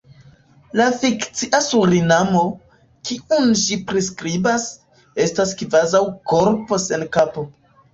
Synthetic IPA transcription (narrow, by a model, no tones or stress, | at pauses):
lafikt͡siʔasuɾinamo̞ | kʰiʔunʒipɾiskɾibas | e̞staskvazawko̞ɾpo̞se̞nkapo̞